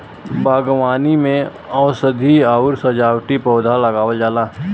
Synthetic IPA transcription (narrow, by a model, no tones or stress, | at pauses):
baːɡʋaːnimẽ | ɔːsəd̪ʱiaːʊɾsɐd͡ʒaːwʈipɔːd̪ʱalɐɡaːwəld͡ʒaːlaː